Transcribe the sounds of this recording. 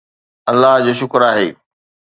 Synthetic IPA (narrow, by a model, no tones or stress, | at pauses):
ɐlːaɦd͡ʑoːʃ̬ʊkɾaːɦḛː